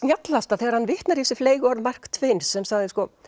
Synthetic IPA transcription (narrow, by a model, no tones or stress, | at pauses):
njat̪last̪aðθeɣaɾhanvɪht̪naɾiɛsːʏfleːjɣɔɾðmar̥kt̪ʰveːjnsːɛmsaɣðɪskɔ